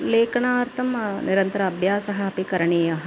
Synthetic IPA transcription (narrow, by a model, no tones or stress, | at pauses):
leːkɐɳaːɐɾt̪ʰɐmniɾɐnt̪ɐɾɐːbʱjaːsɐɦɐɐpikɐɾɐɳeːjɐɦɐ